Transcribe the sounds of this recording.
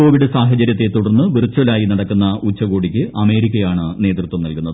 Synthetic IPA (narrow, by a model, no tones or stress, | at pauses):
oːʋiɽesaːɦɐt͡ɕɐɾjɐt̪ːet̪ːuɽɐrnːɨʋirt͡ɕːuɐlaːjinɐɽɐkːunːɐut͡ɕːɐɣoːɽikʲːɨʔɐme̞ːɾikʲːɐjaːɳɨne̞ːt̪rɨt̪wɐmnɐlkunːɐðɨ